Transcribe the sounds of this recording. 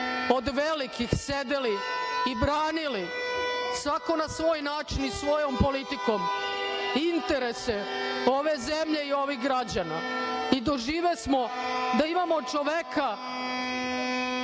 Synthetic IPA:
o̞d̪ʋelikixse̞d̪eliːbɾaːnili | sʋako̞nasʋo̞ːjnaːt͡ʃinisʋo̞jo̞mpo̞lit̪iko̞m | int̪e̞ɾe̞se | o̞ʋe̞ze̞mʎe̞io̞ʋiɣɡɾad͡ʑana̰id̪oʒiːʋesmo̞d̪aimamo̞t͡ʃoʋeka

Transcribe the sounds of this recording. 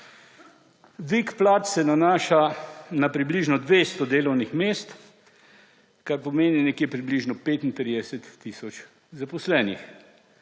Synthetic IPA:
ʋikplaːt̪sɛnanaːʃanapɾibliʒnɔd̪ʋeːst̪ɔd̪eːlɔwnixmeːst̪ | kaɾpɔmeːninɛkjepɾibliʒnɔpeːt̪int̪ɾid̪ɛsɛt̪ːisɔt͡ʃ | zapɔslɛːnḭx

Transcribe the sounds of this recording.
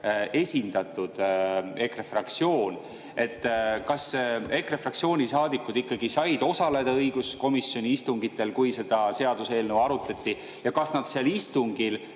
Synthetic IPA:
e̞sʲind̪̥ɑt̪ːˑud̪̥e̞krefrɑkt̪sio̞ːn | e̞t̪ːkɑse̞krefrɑkt̪sio̞ːnʲisɑːd̪ikːˑud̪ikːɑɡ̥isɑjd̪̥o̞sɑle̞d̪ɑɤjɡ̥usko̞misːio̞nʲiist̪uŋɡ̥it̪ːˑe̞lkujse̞d̪̥ɑse̞ɑd̪̥use̞ːlnewɑɾut̪ːˑɑt̪ʲːi | jɑkɑsnɑd̪̥seɑlist̪uŋɡ̥il

